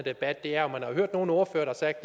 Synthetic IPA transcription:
d̥e̝b̥æd̥ːe̝æɐɒ̽mænhɑ̈ɦøɐ̰d̥no̝ːn̩oɐfø̰ːɐd̥ɑ̈sɑ̈ɡ̥̚d̥ːe

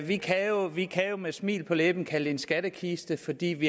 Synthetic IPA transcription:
ʋikʰæjo̝ʋikʰæjo̝mesmḭːlpʰɒ̽leb̥n̩kʰæld̥e̝nsɡ̥æd̥əkʰisd̥əfɒ̽d̥ḭːʋi

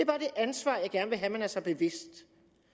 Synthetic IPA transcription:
eæb̥ɑ̈ːd̥e̝ʔænsʋɑ̰̈ːjɑ̈ɡ̥æɐnʋe̝ɦæmenæɐsɑ̈ɪb̥e̝ʋe̝sd̥

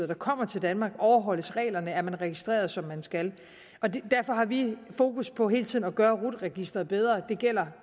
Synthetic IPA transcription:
ɐd̥ɑ̈kʰɒ̽m̰ɐt͡sʰe̝ld̥ænmɑ̈ːɡ̥ɒʊɐɦɒ̽l̰əsʁɛ̰ːlɐnəæɐmænʁɛɡ̥isd̥ʁɛ̰ːɐð̞ˠsɒ̽mːænsɡ̥æl | ʔɒ̽de̝d̥æɐfɒ̽ɦɑ̈ʋifo̝ːkuspʰɒ̽ɦe̝ːlt͡sʰiðˠnɒɡ̥ɶːɐʁud̥ʁɛɡ̥isd̥ʁɐð̩ˠb̥eð̞ˠʁɐd̥e̝ɡ̥el̰ɐ

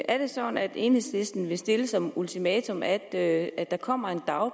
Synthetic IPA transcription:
ʔæɐɾ̥e̝sɒ̽dn̩æd̥e̝ːnhe̝sle̝sd̥n̩ʋe̝sd̥e̝ləsɒ̽mult͡sʰimɛːt͡sʰo̽mæd̥æ̥ɑ̈kʰɒ̽m̰ɐe̝nd̥ɑ̈ʊ

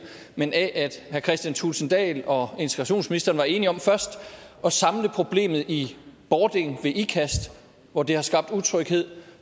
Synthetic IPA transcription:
menʔæʔæd̥hæɐkʰʁɛsd̥jænt͡sʰulsənd̥ɛ̰ːlɒ̽e̝nt͡sʰe̥ɡ̥ʁɑ̈ɕo̝̰ːnsminisd̥ɐːnʋɑ̈e̝ːniɒ̽mfɶɐsd̥ɒ̽sɑ̈mləpʰʁo̝b̥le̝̰ːmð̞̩ˠib̥ɒːd̥e̝ŋʋe̝ʔikʰæsd̥ | ʋɒd̥e̝hɑ̈sɡ̥ɑ̈b̥̚d̥ut͡sʰʁœɡ̥he̝ð̞̰ˠ

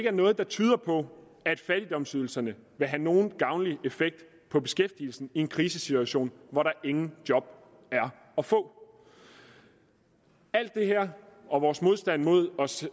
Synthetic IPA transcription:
eɡ̥əæɐnɔ̽ːð̞̩ˠd̥ɑ̈t͡sʰyːð̞ˠɐpʰɒ̽ | æd̥fæɾ̥id̥ɒ̽msyð̞ˠl̩sɐnəʋe̝ɦæno̝ːn̩ɡ̥ɑ̈ʊnliʔe̝feɡ̥̚d̥ | pʰɒ̽b̥e̝sɡ̥efd̥il̩sn̩ie̝nkʰʁiːsəsit͡sʰuæɕo̝̰ːnʋɒɾɑ̈ʔe̝ŋn̩d̥jɒ̽b̥ | æɐ | ɒ̽fɔ̰̽ː | æl̰d̥ːe̝ɦeɐ̰ɒ̽ʋɒːsmo̝ð̞ˠsd̥æn̰mo̝ð̞̰ˠɒ̽s

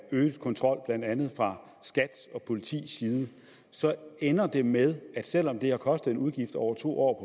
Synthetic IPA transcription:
øːkʰɒ̽nt͡sʰʁɒ̽l̰b̥læn̰d̥ænð̞̩ˠfʁɑ̈ | sɡ̥æd̥ɒ̽pʰo̝lit͡sʰḭːsiːðˠə | sɒ̽enɐd̥e̝með̞ˠæd̥sel̰ɒ̽md̥e̝hɑ̈kʰɒ̽sd̥ð̩ˠe̝nʔuð̞ˠɡ̥ifd̥ɒʊ̰ɐt͡sʰo̝̰ːʔɒ̰ːpʰɒ̽

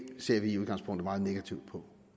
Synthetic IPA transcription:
se̝ɐ̰ʋiuð̞ˠɡ̥ɑ̈ŋspʰɔ̽ŋ̰d̥əmɑ̈ːð̩ˠne̝ɡ̥æt͡sʰiʊd̥̚pʰɒ̽

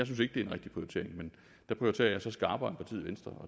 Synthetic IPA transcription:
ɑɪsynse̝ɡ̥̚d̥e̝ɐenʁɛɡ̥d̥i̥pʰʁiot͡sʰe̝̰ɐ̰eŋmen | d̥æ̈pʰʁiot͡sʰe̝̰ːɐ̰jɑsɒ̽sɡ̥ɑ̈ːb̥ɐenpɑ̈t͡sʰḭð̰ˠʋensd̥ʁɐɒ̽

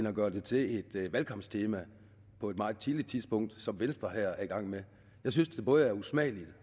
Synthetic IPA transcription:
nɒɡ̥ɶːɐd̥e̝t͡sʰe̝le̝d̥ʋælkʰɒ̽m̰st͡sʰe̝ːmæ | pʰɒ̽e̝d̥mɑ̈ːð̩ˠt͡sʰilid̥̚t͡sʰiðˠsb̥ɔ̽ŋ̰d̥sɒ̽mʋensd̥ʁɐɦæɐ̰æɐiɡ̥ɑ̈ŋ̰me | jɑ̈ɪs̬ynsd̥e̝b̥ɔ̽ːð̞̩ˠæɐusmɛ̰ːlid̥

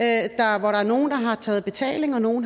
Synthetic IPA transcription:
d̥ɑ̈ʋɒɾɑ̈æɐno̝ːn̩d̥ɑ̈ɦɑ̈t͡sʰɛ̰ːð̞̩ˠb̥e̝t͡sʰɛ̰ːle̝ŋɒ̽no̝ːn̩

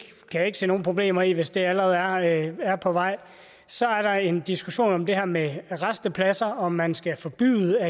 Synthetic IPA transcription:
kʰæje̝ɡ̥əse̝̰ːno̝ːn̩pʰʁo̝b̥le̝̰ːmɐiʋe̝sd̥eælɐʁɛð̩ˠæɐæɐpʰɒ̽ʋɑ̈ɪ̰ | sɒ̽æɐɾ̥ɑ̈e̝nd̥isɡ̥uɕo̝̰ːnɒ̽md̥e̝ɦæɐ̰meʁasd̥əpʰlæsɐɒ̽mænsɡ̥æfɒ̽b̥y̰ːð̩ˠæ

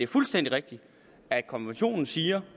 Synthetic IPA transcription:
d̥e̝æɐfulsd̥en̰d̥iʁeɡ̥̚d̥i | æd̥̚kʰɒ̽nʋenɕo̝̰ːnn̩siːɐ

